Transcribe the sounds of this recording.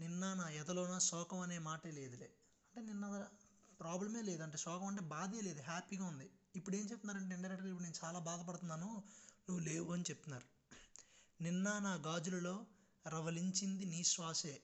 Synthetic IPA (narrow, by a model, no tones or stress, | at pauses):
ninːɐnaːɛd̪ɐloːnɐsɔːkɐmɐne̞ːmaːʈeːle̞ːd̪ulḛː | ɐɳʈe̞ːninːɐɐ | pɾaːblɐme̞ːle̞ːd̪uɐɳʈ̬e̞ːsɔːkɐmɐɳʈe̞ːbaːd̪eːleːd̪uɦaːpiːɡaːund̪iipːuɽeːnit͡ʃept̪unːaːɾɐɳʈ̬eːiɳʈɐɾɛkʈɐɡaipuɽuneːnut͡ʃaːlaːbaːd̪ɐp̬ɐɽut̪unːaːnunuʋːuleːʋuɐnit͡ʃep̚t̪unːaːɾu | ninːɐnaːɡaːd͡ʒulɐlo̞ː | ɾɐʋɐliɲt͡ʃind̪iniːʃʋaːseː